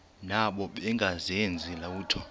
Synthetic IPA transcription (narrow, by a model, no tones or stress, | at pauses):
naɓɔɓɛŋɡʱazɛnd͡zʱilauːtʰɔ